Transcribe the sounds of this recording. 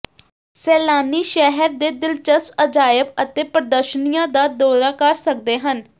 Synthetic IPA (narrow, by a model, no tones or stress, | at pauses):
sɛːlaːniːʃɛɦəɾd̪eːd̪ɪlt͡ʃəst̪əd͡ʒaːjəbət̪eːpəɾəd̪əɾʃənijãːd̪aːd̪ɔːɾaːkəɾsək̚d̪eːɦən